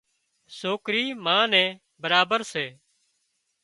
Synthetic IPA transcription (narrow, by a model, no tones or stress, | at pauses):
soːkɾiːmãːnɛ̃ː | bəɾaːbəɾseː